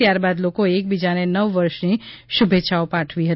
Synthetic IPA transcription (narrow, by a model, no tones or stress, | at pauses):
jaɾbad̪lokoek̚bid͡ʒanenəʋːəɾʃniʃubʱetːʃʰaopãʈʰʋiɦə